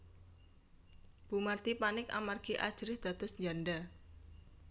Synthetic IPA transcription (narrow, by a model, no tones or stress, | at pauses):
b̥umart̪ipanɪka̰marɡ̥iʔad̥ʒ̥ɾɪhd̪̥a̤d̪̥ɔ̤sɲd͡ʒanɖa